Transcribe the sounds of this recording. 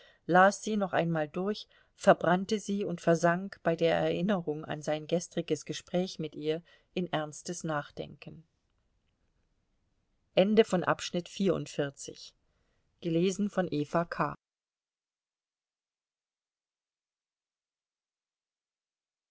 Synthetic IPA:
laːsz̥iːnɔχʔa̰ɪnmaːldʊɐç | fɛɐbʁantəziːʊntfɛɐzaŋkb̥aɪdeːɐʔɛ̰ɐʔɪnəʁʊŋa̰nzaɪnɡɛstʁ̥ɪɡəsɡ̥əʃpʁ̥ɛːçmɪtʔiːɐ | ʔɪnʔɛɐnstəsnaːχd̥ɛ̰ŋkən̩ | ʔɛndəfɔnʔa̰pʃnɪtfiːɐʊ̰ntfɪɐt͡sɪ̰ç | ɡ̥əleːzn̩fɔnʔeːfakʰa̰ː

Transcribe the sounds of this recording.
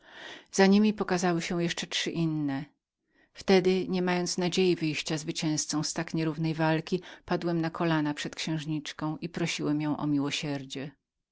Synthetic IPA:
z̥aɲimʲipɔkazawɘɕɛ̃jɛʂt͡ʂɛtʂɘʔinːɛ | ft̪ɛd̪ɘɲɛmajɔnt̪snad͡ʑejivɘjɕt͡ɕazvɘt͡ɕɛ̃w̃st̪sɔ̃w̃st̪akɲɛɾuvnɛjvalkʲipad̪wɛmnakʰɔlanapʂɛt̪kɕɛ̃w̃ʐɲit͡ʂkɔ̃w̃ipɾɔɕiwɛmjɔ̃w̃ʔɔ̰mʲiwɔɕɛɾd͡ʑɛ

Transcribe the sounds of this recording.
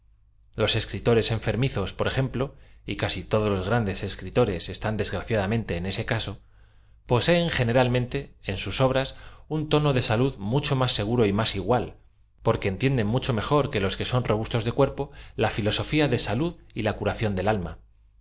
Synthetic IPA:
lo̞se̞skɾit̪o̞ɾe̞se̞ɱfe̞ɾmiθo̞spo̞ɾe̞xe̞mplo̞ikasit̪o̞ðo̞zlo̞zɣɾand̪e̞se̞skɾit̪o̞ɾe̞se̞st̪and̪e̞zɣɾaθjaðamẽ̞nt̪e̞ːne̞se̞kaso̞ | po̞se̞ːŋxe̞neɾalmẽnt̪e̞ːnsuso̞β̞ɾasunt̪o̞no̞ðe̞saluðmut͡ʃo̞masːeɣ̞uɾo̞imasiɣwal | po̞ɾke̞ːnt̪je̞nd̪e̞nmut͡ʃo̞me̞xo̞ɾke̞lo̞ske̞so̞nro̞βust̪o̞zðekwe̞ɾpo̞lafilo̞so̞fiaðe̞saluðilakuɾaθjo̞nd̪e̞lalma̰

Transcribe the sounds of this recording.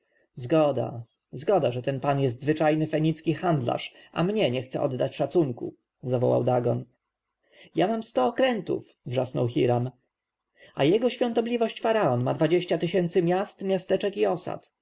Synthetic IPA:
zɡɔd̪a̰ | zɡɔd̪aʐɛt̪ɛnpanjɛs̬t̪zvɘt͡ʂajnɘfɛɲit̪skʲixand̪la̰ʂa̰mɲɛɲɛxt̪sɛ̰ʔɔd̪ːat͡ɕʂat̪suŋkṵ | zavɔwa̰wd̪aɡɔn | jamamst̪ɔːkɾɛnt̪ṵf | vʐasnɔ̰wxʲiɾam | a̰jɛɡɔɕfʲjɔ̃nt̪ɔblʲivɔɕt͡ɕfaɾaɔnma̰d̪vad͡ʑeɕt͡ɕat̪ɘɕɛnt̪sɘmʲjast̪mʲjast̪ɛt͡ʂɛkiɔsa̰t̪

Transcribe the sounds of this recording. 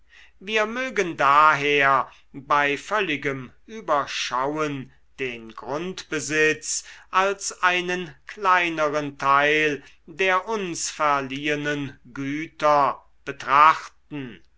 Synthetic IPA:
viːɐmøːɡəndaːɦeːɐ | baɪfœlɪɡəmʔyːbɐʃawən | d̥eːnɡʁʊntb̥əzɪt͡sʔalsʔaɪnənklaɪnəʁəntʰaɪl | deːɐʔʊnsfɛɐliːənənɡyːtɐ | b̥ətʁ̥aχtn̩

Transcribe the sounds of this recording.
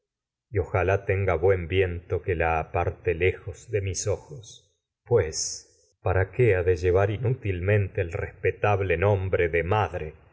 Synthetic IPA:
io̞xalat̪eŋɡaβwe̞mbje̞nt̪okelaːpaɾt̪elexozðe̞miso̞xos | pwes | paɾakeaðeʒeβaɾinut̪ilmẽ̞nt̪eːlrespet̪aβlenõmbɾeðemaðɾe

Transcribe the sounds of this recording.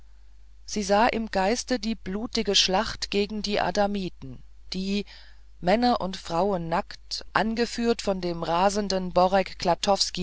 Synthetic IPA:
z̥iːzaːʔɪmɡaɪstədiːb̥luːtɪɡəʃlaχtɡ̥eːɡŋ̩diːʔa̰damiːtn̩ | d̥iː | mɛnɐʔʊntfʁ̥aʊənːaktʔanɡəfyːɐtfɔndeːmʁaːzəndənbɔʁɛkːlatʰɔfski

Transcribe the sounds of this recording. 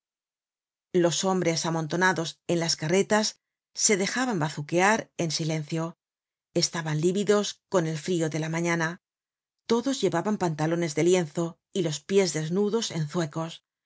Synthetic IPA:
lo̞so̞mbɾe̞samõ̞nt̪o̞naðo̞se̞nlaskare̞t̪asː | e̞ðe̞xaβambaθukeaɾe̞nsile̞n̟θjo̞ | e̞st̪aβanliβiðo̞sko̞ne̞lfɾio̞ðe̞lamãɲana | t̪o̞ðo̞zʝe̞βaβampant̪alo̞ne̞zðe̞lje̞nθo̞ | ilo̞spje̞zðe̞znuðo̞se̞nθwe̞ko̞s

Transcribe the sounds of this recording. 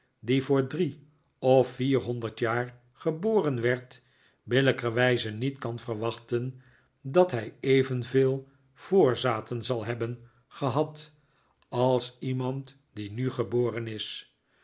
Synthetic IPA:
divʊːɹdri | ɔfːiːrɦɔndəɹtjaːɹ | χəboːrənʋɛɹt | bɪləkəʋɛjzənitkɑnvərʋɑχtən | dɑtɦɛjejvənveːlˠ | v̥oːɹzaːtənzɑlˠɦɛbən | χəɦɑt | ɑlˠsimɑnt | dinyχəboːrənɪs

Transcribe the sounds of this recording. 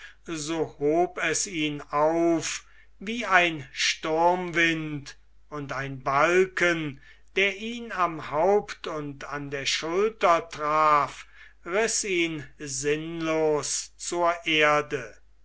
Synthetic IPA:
zoːhoːpɛsiːnaʊf | viːaɪnʃtʊɐmvɪnt | ʊntaɪnbalkən | d̥eːɐʔiːnamhaʊptʰʊntandeːɐʃʊltɐtʁaːf | ʁɪsiːnzɪnloːst͡suːɐʔeɐdə

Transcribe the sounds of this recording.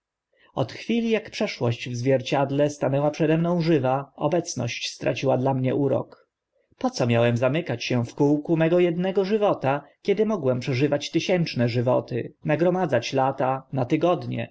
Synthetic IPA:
ɔt̪xfʲilʲijakpʂɛʂwɔɕt͡ɕvzvʲjɛɾt͡ɕad̪lɛst̪anɛwapʂɛd̪ɛmnɔ̃w̃ʐɘvaɔbɛt̪snɔ̰ɕt͡ɕst̪ɾʔa̰t͡ɕiwad̪lamɲɛ̰ʔuɾɔ̰k | pɔt̪sɔmʲjawɛmzamɘkat͡ɕɕɛfkuwkumɛɡɔjɛd̪nɛɡɔʐɘvɔt̪akʲɛd̪ɘmɔɡwɛmpʂɛʐɘvat͡ɕt̪ɘɕɛnt͡ʂnɛʐɘvɔ̰t̪ɘ̰naɡɾɔmad̪zat͡ɕlat̪anat̪ɘɡɔd̪ɲɛ̰

